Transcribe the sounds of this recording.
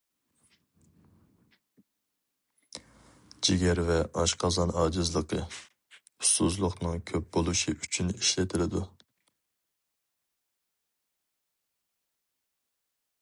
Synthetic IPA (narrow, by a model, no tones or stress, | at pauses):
d͡ʒiɡʲɛɾvɛʔɑʃqʰɑzɑnɑːd͡ʒɨzlˠəqʰə | ust̪uzlˠʊqnɨŋkʲʰøp̚bolˠuʃiʔyt͡ʃʰyniʃlɪt̪ʰɪlɪd̪u